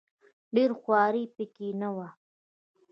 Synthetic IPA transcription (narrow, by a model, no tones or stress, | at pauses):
ɖeːɾxwɑːɾipikinawa